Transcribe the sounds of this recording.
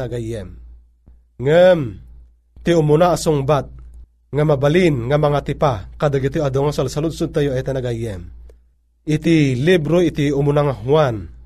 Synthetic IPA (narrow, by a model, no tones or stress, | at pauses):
aɡajɛm | ŋam | t̪iumunaːsuŋbat̪̚ | ŋamabalinŋamaŋat̪ipakad̪aɡit̪oad̪oŋasalsalud̪sud̪̚t̪ajoɛt̪anaɡajɛm | it̪ilibɾoit̪iumunaŋaɦuan